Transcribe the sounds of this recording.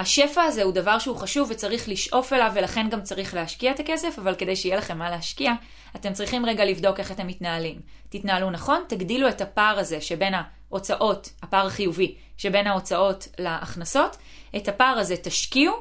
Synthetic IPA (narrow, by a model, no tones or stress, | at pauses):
haʃe̞faːze̞udavaʁʃeuχaʃuvːet͡saʁiχliʃʔo̞fe̞lavːelaχe̞nɡamt͡saʁiχleɦaʃkiaet̪ake̞se̞favalke̞dejʃeijelaχe̞mːale̞aʃkiaː | te̞mt͡sʁiχimʁe̞ɡalivdo̞ke̞χate̞mːitnaːlim | titnaːlunaχo̞ntaɡdilue̞tapaʁaze̞ʃe̞be̞na | ʔo̞t͡saʔo̞thapaʁaχijuvi | ʃebe̞nhao̞t͡saʔo̞tlaʔːχnaso̞t | ʔethapaʁaze̞taʃkiu